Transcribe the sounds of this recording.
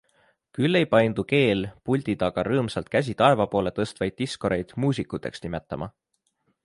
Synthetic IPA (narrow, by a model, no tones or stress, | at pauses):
kylːe̞jpɑjnd̪̥uke̞ːlpulʲt̪id̪ɑɡ̥ɑɾɤːmsɑlt̪̚kæs̬ʲit̪ɑe̞vɑpo̞ːle̞t̪ɤ̞st̪vɑjd̪̚ːisko̞ɾejd̪̥muːs̬ʲikːˑut̪ːˑe̞̰ksnimet̪ˑːɑmʔɑ̰